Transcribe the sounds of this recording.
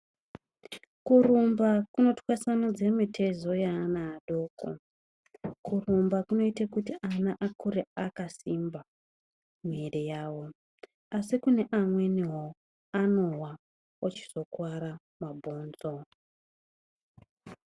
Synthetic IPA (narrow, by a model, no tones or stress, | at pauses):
kurumbakuno̞twasanod͡ze̞mitʰe̞zo̞janaːɗo̞ːko̰ | kurumbakuno̞itakutiʔanaʔakuɾeakasimba | merejaːwo̞ | asikune̞ʔamwe̞niɦo | ano̞wa | ot͡ʃi̥z̥o̞kwaɾa | mabʱo̞ːnzo̞